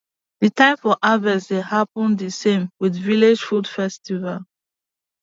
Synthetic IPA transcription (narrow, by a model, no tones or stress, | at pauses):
ð̥itãɪ̃mfɔʔavəzdehapə̃nðisẽmwiðviled͡ʒfudfɛstival